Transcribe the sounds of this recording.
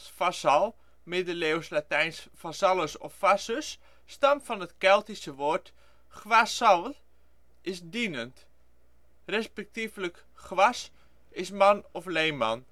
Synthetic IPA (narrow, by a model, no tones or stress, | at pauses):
sfasɑlˠ | mɪdəleːwslatɛjnsfasɑləsɔ̰ffasəs | stamfɔnətkɛlˠtisəʋoːɹt | χʋasɑlˠ | ɪsdinənt | rɛspɛk̚tiflək | χʋas | ɪsmɑnɔflejma̰n